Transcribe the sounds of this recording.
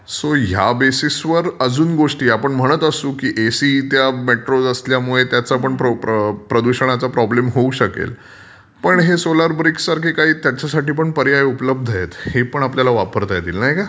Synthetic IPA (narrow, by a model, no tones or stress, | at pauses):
soɦja̰besisʋəɾəd͡zuːnɡoʂʈiːapəɳm̤əɽ̃ət̪əsuːkiːʔesiːt̪jameʈɾod͡zəsljamuɭet̪jat͡sapəɳpɾpɾəd̪uɕəɳ̃at͡sapɾɔblemɦouɕəkḛl | pəɳɦesolaɾbɾiksːaɾkʰeːkaɦiːt̪jat͡ɕasaʈiːp̬əɳpəɾjajupləb̚d̪ʱəjet̪hepəɳapljalaʋapəɾt̪ajd̪ḭːlnaɦjka